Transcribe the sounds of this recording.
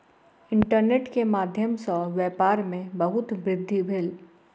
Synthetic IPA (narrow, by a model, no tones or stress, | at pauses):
ɪ̃ɳʈəɾneːʈkemaːd̪ʱjəmsɔʋɛːpaːɾmẽbɐɦʊt̪bɾɪd̪ʱːibʱɪl